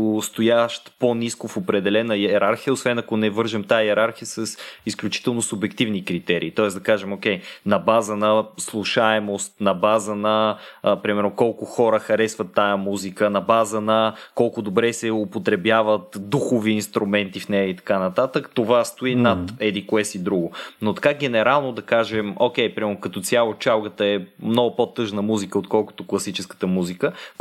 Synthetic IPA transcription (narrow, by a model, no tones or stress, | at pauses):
st̪ojaʃt̪poniskʊfopɾɛd̪ɛlɛnəjɛɛɾaɾxijəosvɛnɐkonɛvɤɾʒɛmt̪ajəjɛɾaɾxijəsɐsisklʲut͡ʃi̥t̪ɛlˠnosʊbɛkt̪ivnikɾit̪ɛɾḭːt̪ɔɛszd̪ɐkaʒɛmokɛjnɐbazənɐslˠuʃaɛmost̪nɐbazənɐpɾimɛɾnokɔlˠkʊxɔɾəxɐɾɛsvət̪ːajəmuzikənɐbazənɐkɔlˠkʊd̪obɾɛsɛʊpot̪ɾɛbjavət̪d̪uxoviːnst̪ɾʔumɛnt̪ifnɛjəit̪ɐ̥kanɐt̪at̪əkt̪ovast̪oinɐt̪ɛd̪iklɛsid̪ɾuɡʊnot̪ɐ̥kaɡ̟ɛnɛɾalˠnod̪ɐkaʒɛmok̟ʲɛjpɾimɛɾnokɐt̪ɔt̪sʲjalˠot͡ʃalˠɡət̪əɛmnɔɡʊpot̪ɤʒnəmuzikəot̪kɔlˠko̥t̪ʊklˠɐsit͡ʃɛskə̥t̪əmuzikə